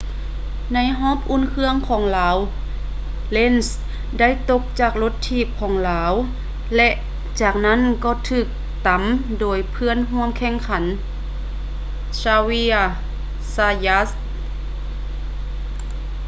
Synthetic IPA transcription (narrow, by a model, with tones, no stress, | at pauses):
na˧˥jɦɔː˧˥˨p̚ʔu˧˥˨nkʰɯ˧˥əŋkʰɔː˩˦ŋlaː˩˨˦w | le˧˥˨ns | da˥˨jt̪o˧˥k̚t͡ɕaː˨˩k̚lo˧˥t̪ʰːiː˧˩p̚kʰɔː˩˦ŋlaː˨˦w | lɛ˧ʔ | t͡ɕaː˨˩k̚na˥˨nkɔː˧˩t̪ʰɯː˧˩k̚ | t̪a˨˦mdoː˨˩jpʰɯ˧˥˨ənɦu˧˥əmkʰɛ˧˥˨ŋkʰa˩˦n | saː˧wi˧˥ | saː˧ja˧˥s